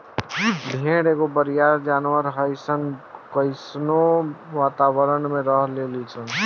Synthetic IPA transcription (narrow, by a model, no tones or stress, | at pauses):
bʱeːɽeɡobəɾijaɾd͡ʒaːnʋəɾɦəɪsənkəɪsnoʋaːt̪aʋəɾənmẽɾəɦlelit͡ʃʰən